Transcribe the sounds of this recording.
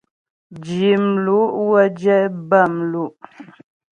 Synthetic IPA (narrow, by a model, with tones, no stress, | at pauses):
d͡ʒi˨mlu˨˦ʔwə˦d͡ʒɛ˦ba˦˨mlu˦˨ʔ